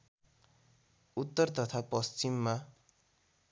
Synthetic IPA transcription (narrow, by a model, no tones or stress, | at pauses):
ut̪ːʌrt̪ʌt̪ʰapʌst͡ʃimːa